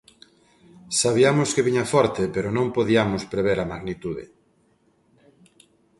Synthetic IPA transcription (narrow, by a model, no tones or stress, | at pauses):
saβiamʊskeβiɲɐfɔɾt̪epeɾʊnõmpoðiamʊspɾeβeɾamaɣnit̪uðḛ